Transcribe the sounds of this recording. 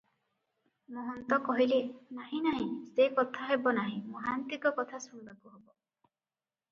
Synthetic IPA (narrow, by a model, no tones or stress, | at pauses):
mɔɦɔnt̪ɔkɔɦilenaɦĩnaɦĩsekɔt̪ʰaɦebɔnaɦĩmɔɦant̪ikɔkɔt̪ʰasuɳbakuɦebɔ